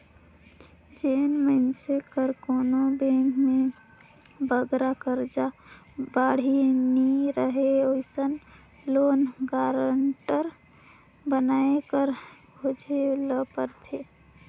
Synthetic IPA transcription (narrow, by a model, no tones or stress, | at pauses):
d͡ʒeːnmənsekəɾkoːnobẽːŋɡmẽ | bəɡɾakəɾd͡ʒaː | baːɽ̤iniɾəɦeoɪsən | loːnɡaːɾəɳʈəɾ | bənaːekəɾbʱod͡ʒʱeləpəɾt̪ʰe